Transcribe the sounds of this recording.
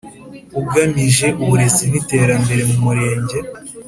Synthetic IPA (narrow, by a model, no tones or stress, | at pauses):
uɡamiʒe̞ʔuβuɾe̞zinite̞ːɾambe̞ɾe̞mumuɾe̞ːɲɟe̞